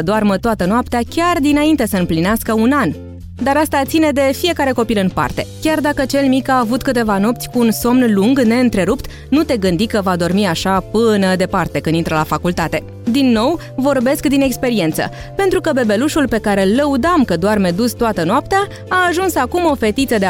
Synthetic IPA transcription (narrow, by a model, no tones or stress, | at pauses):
əd̪oarmət̪oat̪ənoap̚t̪eakʲard̪inaint̪e̞səɨmplineaskəunan | d̪aɾast̪at̪sine̞d̪e̞fije̞kaɾe̞ko̞pilɨnpa̰rt̪e̞̰kʲard̪akət͡ʃe̞lmikaːvut̪kɨt̪e̞vano̞pt̪sʲkuːnso̞mnluŋɡne̞ɨnt̪ɾe̞ɾupt̪ | nut̪e̞ɡɨnd̪ikəvad̪o̞rmiaʃapɨnəd̪e̞part̪e̞kɨnint̪ɾəlafakult̪at̪e̞ | d̪inːo̞w | vo̞rbe̞skd̪ine̞kspe̞ɾie̞nt̪sə̰ | pe̞nt̪ɾukəbe̞be̞luʃulpe̞kaɾe̞lːəud̪amkəd̪oarmed̪ust̪oat̪ənoapt̪eaː | ʒunsakumo̞fe̞t̪it̪səd̪e